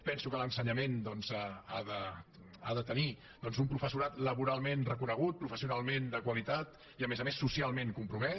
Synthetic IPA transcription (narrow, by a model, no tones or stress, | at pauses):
pɛnsukələnsəɲəmend̪ɔnzaaðə | aðət̪əni | d̪̥ɔnzumpɾufəsuɾat̪ləβuɾalˠmenrəkunəɣ̞ut̪̚pɾufəsiunalˠmend̪əkwəlit̪at̪ | iəmezəmesːusialˠmeŋkumpɾumɛ